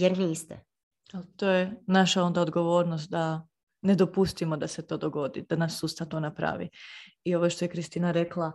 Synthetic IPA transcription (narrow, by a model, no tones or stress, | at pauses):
jeɾniːst̪ɛ̰ | elt̪o̞ːjenaʃao̞nd̪aod̪ɡo̞ʋo̞ːɾnost̪̚d̪a | ne̞d̪o̞pust̪imo̞d̪ase̞t̪o̞ːd̪oɡo̞d̪ḭd̪̥anasːuːst̪at̪o̞ːnapɾa̰ʋḭio̞ʋoʃt̪o̞jekɾist̪iːnaɾe̞klˠa